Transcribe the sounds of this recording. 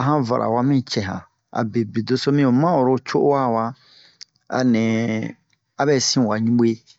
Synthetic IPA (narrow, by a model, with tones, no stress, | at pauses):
a˨ɦã˦va̰˨ʔa̰˨wa˦mĩ˦t͡ʃɛ˨ɦã̰˨ | a̰˨be˨bi˨do˦so˦mĩ˦o˨mã˦o˨ɾo˦t͡ʃo˦wa˦˨wa˦ | a̰˨nɛ̃˨ | a˦bɛ˦sĩ˦˨wa˨ɲũ˦ɓe˦